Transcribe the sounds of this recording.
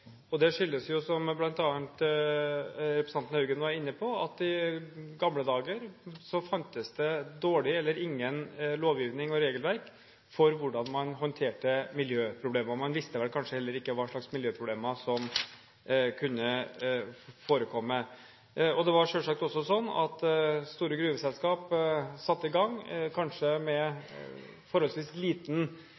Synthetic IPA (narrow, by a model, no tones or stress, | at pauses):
ɔd̪ɛʂʏlːəsjʊsɔmblɑnt̪ɑːnt̪ | ɾɛpɾɛsɑnt̪n̩hʉːɡənʋɑɾɪnːəpʰɔɑt̪ːɪɡɑmləd̪ɑːɡəɾsɔfɑnt̪əsd̪ɛd̪oːɭɪɛlːəɾɪŋːənloːʋjiːʋnɪŋɔɾeːɡəlʋæɾk | fɔɾʋʊɖɑnmɑnɦɔnt̪ʰeːʈəmɪljøːpʰɾʊbleːmɑmɑnʋɪst̪əʋɛlkʰɑnʂəhɛlːəɾɪkːəʋɑːʂɭɑksmɪljøːpʰɾʊbleːmɑsɔm | kʰʉnːə | foːɾəkʰɔmːə | ɔd̪ɛʋɑɾʂølʂɑk̚t̪ɔsːɔsɔnːɑ̰t̪st̪uːɾəɡɾʉːʋəsɛlskɑːpsɑt̪ːɪɡɑŋkʰɑnʂəmɛ | fɔɾhɔlsʋiːsliːt̪n̩